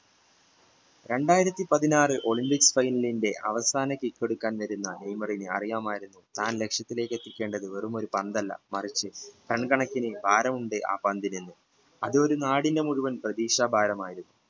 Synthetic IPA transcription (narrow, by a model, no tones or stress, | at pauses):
ɾe̞ɳɖaːjiɾɐt̪ːipɐðinaːrɨʔo̞ɭimpiksfɐjnɐlinde̞ʔɐ̰ʋɐsaːnɐkikʲːeɽukːaːnʋɐɾunːɐnejmɐrinɨɐ̰rijaːmaːjiɾunːut̪aːnle̞kʂjɐt̪ːile̞ːkːe̞t̪ːikʲːe̞ːɳɖɐðɨʋerumo̞ɾupɐnd̪ɐlːɐ̰mɐrit͡ɕːɨʈɐɳkɐɳɐkːinɨbʱaːɾɐmuɳɖeʔa̰ːpaːnd̪inenːu | ɐðɨo̞ɾunaːɽinde̞muɻuʋɐnprɐðiːʂaːbʱaːɾɐmaːjiɾunːu